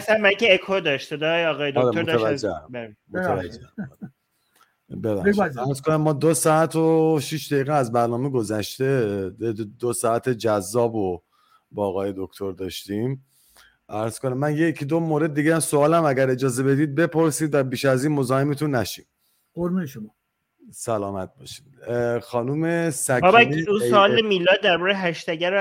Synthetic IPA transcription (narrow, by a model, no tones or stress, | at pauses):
sæmmækeːkʰod̪ɒʃt̪sed̪ɒjɒɣɒːjeoɒːɾemot̪ʰæd͡ʒːeæmimovæd͡ʒːeæmɒ̰ɾ | bebæ̰χʃiæɾzkʰonæmːɒːd̪osɒæt̪ʰoʃiʃd̪æjiːɣɛæzbæɾnɒːmeɡo̞zæʃt̪e̞ | d̪osɒːæt̪ʰed͡ʒæzːɒːbo | bɒːɣɒːjed̪okt̪ʰo̞ɾd̪ɒːʃt̪iːm | ʔæɾz̥kʰonæmːænjecʰid̪omoːɾe̞d̪̚ːiɡɟeæmsoɒːlæmæɡæɾe̞d͡ʒɒːze̞be̞d̪iːd̪̚be̞pʰo̞ɾsiːd̪væbiːʃæziːnmozɒːhemet̪ʰunːæʃiːm | boɾmueʃomɒ | sælɒːmæt̪̚bɒ̰ːʃi̥mxɒːnuːmesæɒbæiusoɒːlemilːɒːd̪æɾbɒɾejɦæʃt̪æɟæɾ